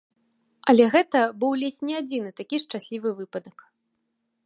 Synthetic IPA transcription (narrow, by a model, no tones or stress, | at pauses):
ɐlʲɛɣɛt̪ɐbɨwlʲesʲnʲiad͡zʲinɨt̪akʲiʂt͡ʂasʲlʲivɨvɨpɐd̪ɐk